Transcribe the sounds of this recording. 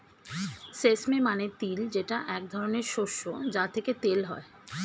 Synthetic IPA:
sesmemanet̪ild͡ʑeʈaʔɛk̚d̪ʱɔɾoneɾʃoʃːod͡ʑat̪ʰeket̪elɦɔ̰e

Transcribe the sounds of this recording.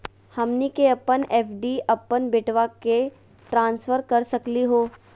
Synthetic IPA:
hɐmnikeɐpənɛːpɖiɐpːənbɪʈʋake | ʈɾãːnsfəɾkɐɾsɐkliɦoː

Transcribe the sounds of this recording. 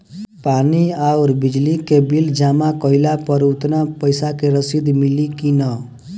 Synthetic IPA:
paniauɾbid͡ʒlikebild͡ʒamakɔɪlapəɾut̪napəjsakeɾəsid̪milikinʌ

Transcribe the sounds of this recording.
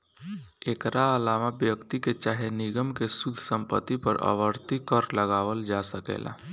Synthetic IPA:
eːkɾaəlaːmabjəkt̪iket͡ʃaːɦenɪɡəmkesud̪ʱsə̃mpə̰t̪ːipəɾə̰ʋəɾt̪ikəɾləɡaːʋəld͡ʒasəkḛːla̰

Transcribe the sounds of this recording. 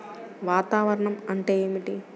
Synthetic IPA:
ʋaːt̪aːʋɐɾɐɳɐmɐɳʈeːjeːmiʈi

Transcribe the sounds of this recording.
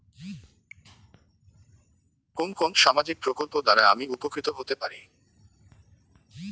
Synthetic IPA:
konkonʃamad͡ʑik̚pɾokolpod̪aɾaeamiupokɾit̪oɦot̪epaɾi

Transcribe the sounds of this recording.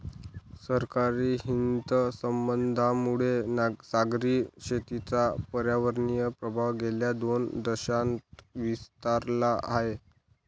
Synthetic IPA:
səɾkaɾiːɦint̪səmbənd̪ʱamuɽesaɡɾiɕet̪it͡sapəɾjaʋəɾɳijəpɾəbʱaʋɡeljad̪ond̪əɕant̪ʋist̪aɾlaʔaɦe

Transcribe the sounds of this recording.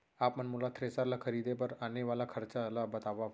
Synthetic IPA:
apmənmulat̪ʰɾesaɾlakʰəɾid̪ʱepəɾaneʋalakʰəɾt͡salabət̪aʋaʋ

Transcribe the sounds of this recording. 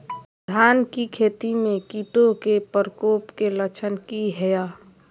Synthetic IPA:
d̪ʱaːnkikʰeːt̪imẽkiːʈokepəɾəkoːpkelət͡ʃʰənkiɦɛjaː

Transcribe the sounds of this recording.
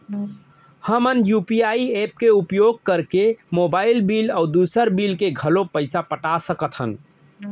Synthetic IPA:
həmənjupiaiep̚keupjoɡ̚kəɾkemobaɪilbilɔʊd̪usəɾbilkeɡʱəlopəɪsapəʈasəkət̪ʰɦən

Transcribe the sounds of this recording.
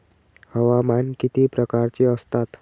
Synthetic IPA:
həʋamankit̪ipɾəkaɾt͡ʃiəst̪at̪

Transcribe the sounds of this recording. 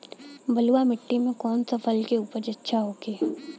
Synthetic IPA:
bɐluamɪʈːimẽkɔːnsɐfʰəlkeuːpəɾd͡ʒɐtːʃʰaɦoːɡeː

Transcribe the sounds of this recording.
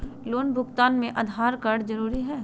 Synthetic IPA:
loːnbʱʊɡt̪aːnmẽʔɐd̪ʱaːɾkɐɽd͡ʒɐɾuːɾiɦɛː

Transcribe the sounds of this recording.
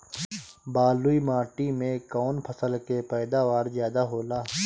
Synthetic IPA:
baːluimaːʈimẽkɔːnpʰəsəlkepɛːd̪aːʋaːɾzjaːd̪aɦoːlaː

